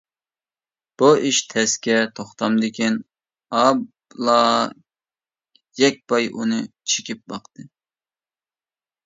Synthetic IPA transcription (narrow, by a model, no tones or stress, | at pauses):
b̥uiʃt̪ʰɛskʲɛt̪ʰoχt̪ɑmd̪ɪkʲin | ɑb | lˠɑ | jɛk̚ʲpɑjʔunɨ | t͡ʃʰe̥kʲip̚bɑqt̪ɨ